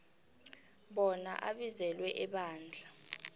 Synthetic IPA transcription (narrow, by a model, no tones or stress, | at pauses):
ɓɔna̰ʔaɓizɛlwɛʔɛɓaːnd͡ɮʱa